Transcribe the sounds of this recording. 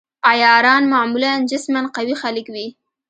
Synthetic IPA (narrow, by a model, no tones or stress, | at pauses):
ajɑɾɑnmaʕmuland͡ʒɪsmanqawixalɪkwi